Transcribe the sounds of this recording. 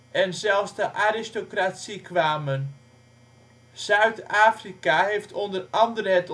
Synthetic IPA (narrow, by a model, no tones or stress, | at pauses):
ʔɛnzɛlˠfsdəʔaɾɪstokratsikʋaːmən | z̥œɥtaːfrikaɦejftʰondərɑndərəɦɛt